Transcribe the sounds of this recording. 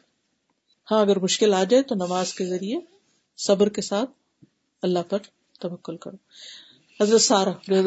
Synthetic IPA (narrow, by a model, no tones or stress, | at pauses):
hãːɐɡəɾmʊʃkɪlaːd͡ʒaːet̪onɐmaːzkezɐɾie | sɐbɾkesaːt̪̚ʰ | ɐlːaɦpɐɾ | t̪ɐʋɐkːʊlkɐ̰ɾoː | hɐzɾət̪saːɾad͡ʒoːɦ